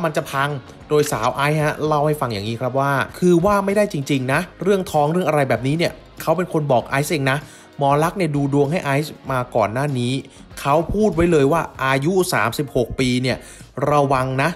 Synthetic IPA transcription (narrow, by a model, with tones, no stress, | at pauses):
a˥˩ma˧nt͡ɕa˨˩pʰa˧ŋ | doː˧jsaː˩˦wʔaː˦˥j̚ha˦˥la˥˩wha˥˩jfa˧ŋjaː˨˩ŋːiː˦˥kʰɾa˦˥p̬̚waː˥˩kʰɯː˧waː˥˩ma˥˩jda˥˩jt͡ɕi˧ŋt͡ɕi˧ŋna˦˥ɾɯ˥˩əŋt̪ʰɔː˦˥ŋɾɯ˥˩əŋʔa˧ɾa˧jbɛː˨˩p̚niː˦˥ni˥˩ɐ | kʰa˦˥wpe˧nkʰo˧nbɔː˨˩k̚ʔaː˦˥jsʔe˧ŋna˦˥ | mɔː˨˦la˦˥k̚ni˥˩əduː˧du˧əŋɦa˥˩jʔaː˦˥jsmaː˧kɔ̰ː˨˩nːaː˥˩niː˦˥ | kʰa˦˥wpʰuː˥˩t̪̚wa˦˥jlɤː˧jwaː˥˩ʔaː˧ju˦˥saː˩˦msi˨˩p̚ho˨˩k̚piː˧ni˥˩ə | ɾa˧wa˧ŋna˦˥